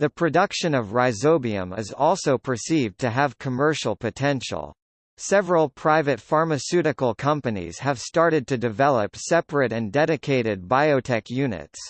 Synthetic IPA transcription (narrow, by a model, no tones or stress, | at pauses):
ðɨpʰɹ̥ɨdʌkʃɨ̃nʌvɹaɪzoʊbiɨ̰̃mɪ̰zɔlˠsoʊpʰə˞sivtʰɨəv̥kʰəmɜ˞ʃl̩ˠpʰɨtʰɛ̃nʃl̩ˠ | sɛvɹl̩ˠpʰɹ̥aɪvɨtfɑɹmɨsʉɾɨkl̩ˠkʰʌ̃mpɨnḭz̥ɨv̥stɑɹɾɨd̚tʰɨdɨvɛlˠəpsɛpɹɨɾɨ̃ndɛɾɨkʰeɪɾɨd̚baɪoʊtʰɛkʰjʉnɨ̰ts